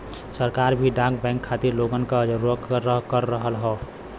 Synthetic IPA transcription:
səɾkaːɾbʱiɖãk̚bɛ̃ːŋkʰːat̪iɾloɡənkad͡ʒɾukɾəɦkəɾːəɦəlɦo

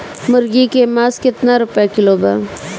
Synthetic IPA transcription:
mʊɾɡikemaːskɪt̪naɾʊpjakɪloːba

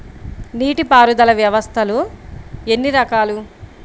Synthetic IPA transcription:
niːʈipaːɾud̪ɐlɐʋjɐʋɐst̪ʰɐlu | enːiɾɐkaːlu

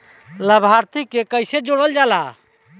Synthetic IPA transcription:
ləbʱaɾt̪ikekəjsed͡ʒoɽ̃əld͡ʒala

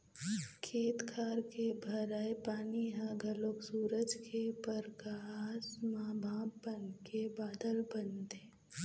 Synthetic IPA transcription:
kʰeːt̪kʰaːɾkebʱɐɾaːepaːniɦãɡʱɐloːksuːɾəd͡ʒkʰepəɾkasmãːbʱãːbbənkebaːd̪əlbənt̪eː

